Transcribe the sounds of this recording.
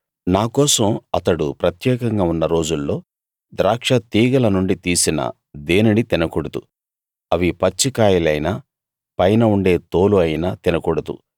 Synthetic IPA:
naːkɔːsɐmɐt̪ɐɽṵpɾɐt̪jɛːkɐŋɡaːunːɐɾo̞ːd͡ʒulːo̞ː | d̪ɾaːkʂɐt̪iːɡɐlɐnuɳɖit̪iːsinɐ̰ | d̪eːninit̪inɐkuɽɐt̪ṵ | ɐʋipɐt͡ʃːikaːjilɐjnaː | pɐjnɐuɳɖe̞ːt̪o̞ːluɐjinɐːt̪inɐkuɽɐd̪ṵ

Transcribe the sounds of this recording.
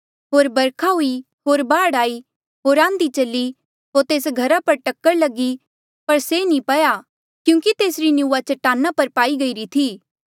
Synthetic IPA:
ɦoːɾbɐɾkʰaɦui | ɦoːɾbaːɽaːi | ɦoːɾãːnd̪it͡ʃɐlːi | ɦoːɾt̪eːsɡʱɐɾapɐɾʈɐkːəɾlɐɡi | pɐɾsenĩpɐja | kjũːkit̪eːsɾinjuːat͡ʃɐʈaːnːapɐɾpaːiɡɐiɾit̪ʰiː

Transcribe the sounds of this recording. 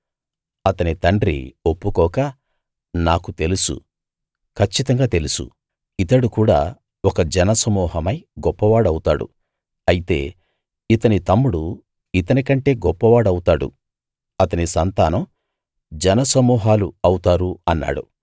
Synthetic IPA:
ɐt̪ɐnit̪ɐɳɖɾḭopːukɔːkɐ | naːkut̪e̞lusṵ | kʰɐt͡ʃːit̪ɐŋɡaːt̪e̞lusṵ | it̪ɐɽukuːɽa̰ː | ɔkɐd͡ʒɛnɐsɐmuːɦɐmɐjɡɔpːɐʋaːɽɐwut̪aːɽṵ | ɐjit̪e̞̰ː | it̪ɐnit̪ɐmːuɽu | it̪ɐnikɐɳʈe̞ːɡɔpːɐʋaːɽɐwut̪aːɽṵ | ɐt̪ɐnisɐnt̪aːnɐm | d͡ʒɛnɐsɐmuːɦaːluɐwut̪aːɾuɐnːa̰ːɽṵ

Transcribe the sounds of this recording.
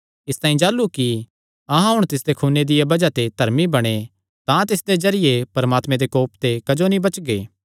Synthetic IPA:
ɪst̪ãːĩd͡ʒaːlːuki | ɐɦãɦʊɽ̃t̪ɪsd̪ekʰuːned̪ɪjabɐd͡ʒat̪ed̪ʱɐɾmibɐɽ̃e | t̪ãt̪ɪsd̪ezɐɾɪjepɐɾəmaːt̪mẽd̪ekoːpt̪ekɐd͡ʒonĩbɐt͡ʃɡeː

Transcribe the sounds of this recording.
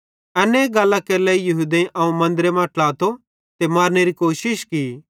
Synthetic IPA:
ɐneɡɐlːakelɛːijɐɦud̪ẽʔɐũmɐ̃nd̪ɾemãʈlaːt̪o | t̪emaːɾneɾikoːʃɪʃki

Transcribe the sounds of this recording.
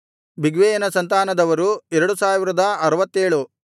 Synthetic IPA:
bʱiɡʋeːjɐnɐsɐnt̪aːnɐd̪ɐʋɐɾuɛɾɐɽusaːʋiɾɐd̪ɐɐɾɐʋɐt̪ːeːɭu

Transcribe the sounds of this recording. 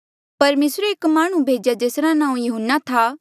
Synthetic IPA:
pɐɾmeːsɾeːkmaːɽ̃ũbʱeːd͡ʒjad͡ʒeːsɾanãːũjɐɦənːat̪ʰa

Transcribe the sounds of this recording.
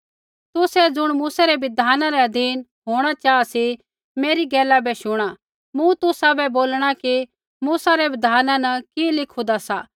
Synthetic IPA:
t̪ʊsɛd͡zʊɽ̃muːsaɾɛʋɪd̪ʱaːnãɾɛɐd̪ʱiːnɦoːɽ̃at͡ʃaːasi | meːɾiɡɛːlabɛʃʊɽ̃a | mʊ̃t̪ʊsabɛboːlɽ̃aki | muːsaɾɛʋɪd̪ʱaːnãnɐkilɪkʰũd̪asa

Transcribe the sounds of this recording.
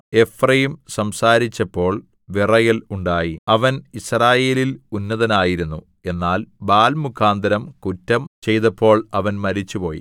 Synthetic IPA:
e̞frɐjimsɐmsaːɾit͡ɕːɐpːo̞ːɭ | ʋirɐjɐluɳɖaːjiɐʋɐnisraːje̞ːlilunːɐðɐnaːjiɾunːu | e̞nːaːlbaːlmukʰːaːnd̪ɐɾɐmkutːɐmt͡ɕe̞jt̪ɐpʰːo̞ːɭɐʋɐnmɐɾit͡ɕːupo̞ːjḭ

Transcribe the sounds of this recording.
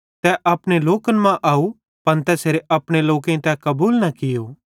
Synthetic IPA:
t̪ɛʔɐpɽ̃eloːkənmãʔaːu | pɐnt̪ɛsʰeːɾeʔɐpɽ̃eloːkẽt̪ɛkɐbuːlnɐkɪjoː

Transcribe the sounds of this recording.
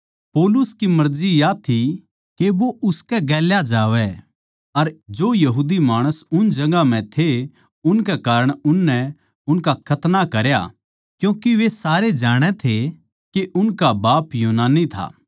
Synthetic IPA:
pɔːlʊskimɐɾd͡ʒijat̪ʰi | keʋoʔʊskɛɡɛːljad͡ʒaːʋɛ | ɐɾd͡ʒoːjɐɦuːd̪imaːɽ̃əsʊnd͡ʒɐɡam̤ɛ̃t̪ʰe | ʊnkɛkaːɾəɽ̃ʊnːɛ | ʊnkakʰɐt̪nakɐɾja̰ | kjũːkiʋesaːɾed͡ʒaːɽ̃ɛt̪ʰe | keʔʊnkabaːpjuːnaːnːit̪ʰa̰ː

